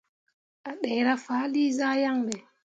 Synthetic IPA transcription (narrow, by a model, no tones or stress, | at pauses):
ʔaɗɛjɾafaːliːzajaŋbɛ